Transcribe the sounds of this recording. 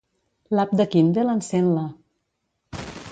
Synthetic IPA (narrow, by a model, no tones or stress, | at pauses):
lap̚d̪əkind̪elansenla